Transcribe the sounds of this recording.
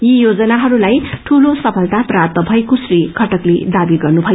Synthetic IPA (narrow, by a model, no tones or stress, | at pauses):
jijod͡zʌnaɦʌɾulajʈʰulosʌpʰʌlt̪aprapt̪ʌbʱʌjkosrikʰʌʈʌkled̪abiɡʌrnubʱʌj